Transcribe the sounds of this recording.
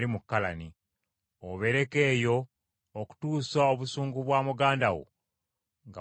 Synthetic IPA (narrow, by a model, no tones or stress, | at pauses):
limukːalani | oβe̞ɾe̞ke̞ːjo̞ː | ku̥tuːsaoβusuːŋɡuβwaːmuɡaːndawo̰ | ŋɡa